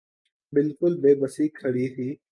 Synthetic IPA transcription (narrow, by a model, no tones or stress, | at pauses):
bɪlkʊlbeːbəsiːkʰːəɽiːt̪ʰiː